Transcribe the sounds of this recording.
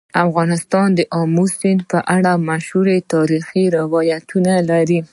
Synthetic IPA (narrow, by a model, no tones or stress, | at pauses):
afɣɑnɪst̪ɑnd̪əʔɑmusɪnd̪pəʔaɽamaʃhuɾet̪ɑɾixiɾɪwɑjat̪ʰunalaɾi